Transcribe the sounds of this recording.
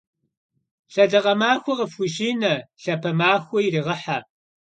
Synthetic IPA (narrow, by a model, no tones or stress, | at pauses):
ɬɐɮɐʁɐmaːxʷɔʁəfxʷʊʃiːnɐɬɐpʰɐmaːxʷɔiriːʁɐħa